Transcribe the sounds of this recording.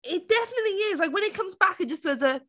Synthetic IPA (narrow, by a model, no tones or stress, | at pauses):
ɪt̚d̥ɛfənɨtˡliɪz̥laɪk̬wə̃ñɪt̚kʰʌ̃mzbakɨt̚d̥ʒ̥ʌsðə˞zə